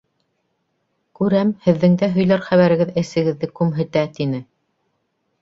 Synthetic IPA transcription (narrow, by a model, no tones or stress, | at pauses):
kʉɾæmhɘ̆ðːɘ̆ŋd̪æɦɵ̆jlæɾχæβæɾɘ̆ɡɘðɘ̆sɘ̆ɡɘ̆ðːɘkʉmɦɘ̆t̪æt̪inɘ